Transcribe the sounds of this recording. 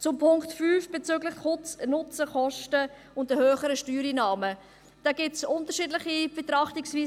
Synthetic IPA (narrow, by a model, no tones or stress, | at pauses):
t͡sʊmpʰʊŋktfyːfb̥et͡syːɡlɪχtχʊt͡snʊt͡səχɔʃtə | ʊntəhøːχəɾəʃtyːɾiːnɑːmə | d̥ɑɡ̥ɪtsʊntəɾʃiːdlɪχib̥etɾɑχtɪksviː